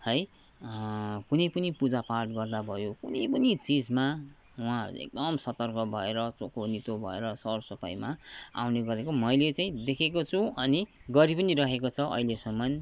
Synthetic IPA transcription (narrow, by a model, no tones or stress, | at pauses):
hʌj | kunʌjpʌnipud͡zaparʈ̚ɡʌrd̪abʱʌjokunʌjpʌnit͡sid͡zma | wɦã̰ḛk̚d̪ʌmsʌt̪ʌrkʌbʱʌeɾʌt͡sokʰonit̪obʱʌ̰ḛɾʌsʌrsʌpa̰jmaa̰wneɡʌɾekomʌjlet͡saĩd̪ekʰekot͡sʰũʌniɡʌɾipʌniɾʌɦekot͡sʰʌʔʌ̰ɦilesʌmːʌn